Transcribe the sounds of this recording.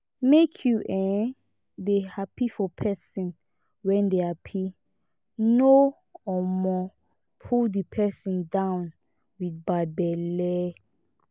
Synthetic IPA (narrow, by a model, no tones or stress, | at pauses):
mekʰjuʔɛ̃ | dehapifɔpʰɛsɔ̃n | wɛ̃ndeapʰi | no | ɔmɔ | pʰuldəpʰɛsɔ̃ndãwn | widbabɛlɛ